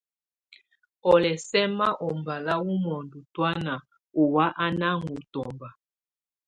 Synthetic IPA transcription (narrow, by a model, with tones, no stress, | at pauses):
ɔ˨lɛ˨sɛ˦ma˦ʔɔ˨mba˨la˦wu˦mɔ˨ndu˨twa˦na˨ | o˨wa˦ʔa˦na˦ŋu˨tɔ˨mba˨